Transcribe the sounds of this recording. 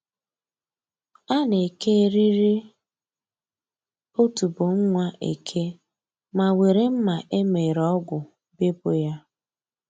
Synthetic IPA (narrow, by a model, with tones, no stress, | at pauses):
a˦ne˨ke˦ɾi˦ɾi˦ | o˦tu˨bo˨ŋ̩˦ŋʷa˦ʔḛ˨kʰe˦ | ma˨we˨ɾe˦m̩˦ma˨ʔe˦me˨ɾɔ˦ɡʷʊ˨ | be˦bo˨ja˦